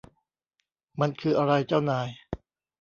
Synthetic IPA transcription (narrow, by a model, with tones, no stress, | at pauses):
ma˧nkʰɯː˧ʔa˧ɾa˧jt͡ɕa˥˩wnaː˧j